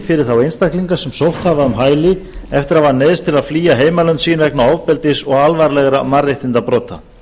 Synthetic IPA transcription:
fɪɾɪɾ̥θawejnst̪ahkliŋkasɛmsowht̪havaʏmɦaːjlɪɛft̪ɪɾavanɛðst̪ʰɪlaðfliːjaɦeːjmalœnt̪siːnvɛknawawvpɛlt̪ɪsɔɣalvaɾlɛɣɾamareht̪ɪnt̪apɾɔːt̪ʰa

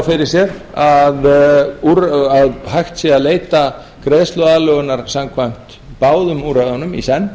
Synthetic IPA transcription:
fɪɾɪɾ̥sjɛɾ | aðuɾaðhajxt̪siaðleːjt̪a | kɾeðst̪lœaːlœɣʏnaɾ̥samkʰvajm̥t̪ | paːwðʏmuɾaðanʏmḭsɛnː

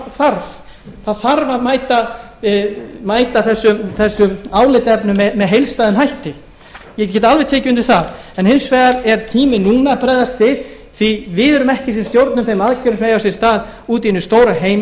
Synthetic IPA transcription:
θaɾv̥ | θaðθaɾvaðmaːjt̪a | maːjt̪aθɛsːʏmθɛsːʏmaːwlɪt̪ɛpnʏmɛmɛðɦejlst̪aːðɪmɦajht̪ɪ | jɛccɛːt̪alvɛðt̪ʰeːcɪʏnt̪ʏɪ̥θaðɛnhɪnsvɛːðaɾɛɾ̥t̪ʰiːmɪnuːnapɾɛːðast̪vɪð | θivɪðɛɾʏmɛhcɪsɛmst̪jowɾt̪nʏmθejmaðcʰœɾʏsvejawsjɛ̥st̪aːð | uːt̪iɪnʏst̪oːwɾaɦeːjm

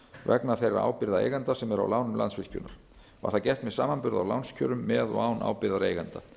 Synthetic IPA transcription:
vɛ̰knaθejrːa̰ʔa̰ːwpɪɾðaḛjɣant̪asɛmɛɾa̰wlaːwnʏmlansfvɪl̥cʏ̰nːaɾ̥ | va̰ɾ̥θacɛst̪mɛðsaːmanpʏɾða̰wlawnscʰœ̰ːɾʏmːɛðɔ̰ɣaːwnʔa̰ːwpɪɾðaɾeːjɣant̪a

